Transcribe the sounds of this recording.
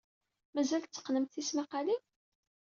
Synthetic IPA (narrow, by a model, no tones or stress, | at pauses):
mæzælt͡sːə̥qːnəmt̪θismaqali